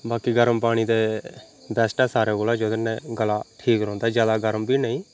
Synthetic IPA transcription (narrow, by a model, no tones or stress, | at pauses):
baːkiːɡəɾəmpaːɽ̃iːd̪eː | bɛːsʈaːsaːɾeːkoːlaːd͡ʒoːd̪ɪnːɛ̃ːɡəlaːʈʰiːkɾɔ̃ːnd̪aːd͡ʒjaːd̪aːɡəɾəmbiːnəĩː